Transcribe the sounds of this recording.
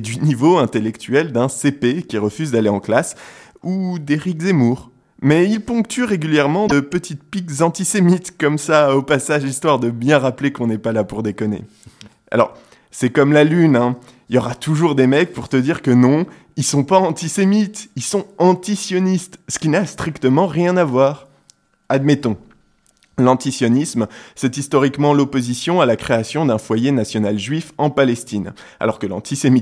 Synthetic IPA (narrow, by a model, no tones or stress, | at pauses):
d̪ynivoɛ̃t̪elɛkt̪ʰyɛld̪ɛ̃sepekʲiʁəfyzd̪aleɑ̃klas | ud̪eʁikzemuʁ | mɛilpɔ̃kt̪yʁeɡʲyljɛʁmɑ̃d̪əpət̪ʰit̪̚pikzɑ̃t̪isemit̪kɔmsaopasaʒist̪waʁd̪əbjɛ̃ʁaplekɔ̃nɛpalapuʁd̪ekɔnḛ | a̰lɔ̰ʁ | sɛkɔmlalynɛ̃ | iljɔʁat̪ʰuʒuʁd̪emɛk̚puʁt̪əd̪iʁkənɔ̃ | ilsɔ̃paɑ̃t̪isemit̪ilsɔ̃ɑ̃t̪isjɔnist̪sə̥kʲinast̪χikt̪əmɑ̃ʁjɛ̃navwaːʁ | ad̪mɛt̪ɔ̃ | lɑ̃t̪isjɔnismsɛt̪ist̪ɔʁikmɑ̃lɔpozisjɔ̃alakχeasjɔ̃d̪ɛ̃fwajenasjɔnalʒɥifɑ̃palɛst̪in | a̰lɔʁkəlɑ̰̃t̪ʰisemi